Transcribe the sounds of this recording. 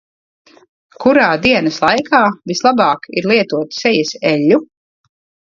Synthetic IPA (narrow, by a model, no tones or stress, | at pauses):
kuɾaːd̪iɛnɐslˠajkʰaːvislˠabaːkḭɾlˠiɛt̪uɔt̪sɛjɛsɛʎʲːu